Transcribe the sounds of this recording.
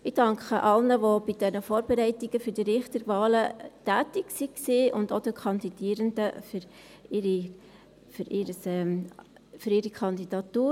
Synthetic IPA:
ɪd̥ɑŋkχəʔɑlnəʋob̥id̥ɛnəfoːɾb̥eɾɛɪtiɡəfyɾd̥iɾɪχt̪əɾvɑːlətæːtɪksiksiːʔʊndod̥̪əkʰɑnd̥̪id̥iːəɾənd̥əfyɾ | ɪɾi | fʏɾɪɾəsɛm | fyɾiːɾikʰɑnd̪id̥ɑt̪uː

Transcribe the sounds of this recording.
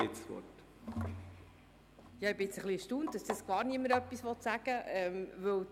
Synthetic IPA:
ɪt͡ssʋɔ̰t | jɑɪbɪɪt͡səχliəʃtuːnt̚d̥ɑsd̪əsɡ̥ɑːɾniəmːəɾœpːisʋɔt̪sæɡ̥əɛmvɵw

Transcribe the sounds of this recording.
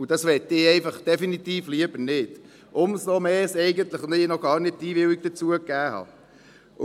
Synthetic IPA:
ud̥ɑsʋɛt̪ːɪɛɪfɑχd̥ɛfinit̪iːfliəb̥əɾnɪd̥ | ʔʊmsnɔmɛːsɛɪɡənt̪ləχʊnɪnɔɡɑːrnɪt̚tiːbɪwiɡ̚d̥ət͡suəkːæːhɑ̰

